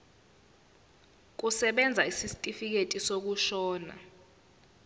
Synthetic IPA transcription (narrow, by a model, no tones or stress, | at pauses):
k̬usɛɓɛnd͡zʱaisistʼifik̬etʼisok̬uʃɔːna̰